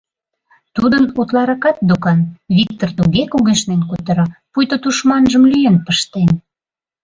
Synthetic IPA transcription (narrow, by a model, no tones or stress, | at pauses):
t̪ud̪ənut̪lɑɾɑkɑt̪̚d̪okɑnβik̚t̪ort̪uɣekuɣeʃnenkut̪ə̆ɾɑpujt̪ot̪uʃmɑnʒəmlyjenpəʃt̪en